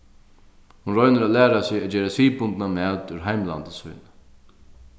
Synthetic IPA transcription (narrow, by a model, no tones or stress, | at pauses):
hunɾɔjnəɾaðlæːɾasɪad͡ʑeːɾasʋiːpʊnt̪namɛːlt̪ʉɾɦajmla̰nt̪əsvṵːjnə